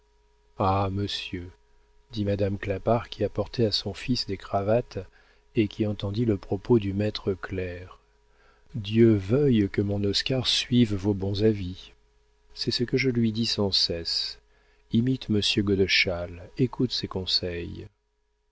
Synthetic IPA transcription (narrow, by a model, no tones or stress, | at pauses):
aməsjø | d̪imad̪amklapaʁkʲʰiapɔʁt̪ɛasɔ̃fisd̪ekχavat̪ | ekʲʰiɑ̃t̪ɑ̃d̪iləpχɔpod̪ymɛt̪χəklɛʁ | d̪jøvœjkəmɔ̃nɔskaʁsɥivvobɔ̃zavi | sɛsəkəʒəlɥid̪isɑ̃sɛs | imit̪məsjøɡɔd̪əʃalekut̪sɛkɔ̃sɛj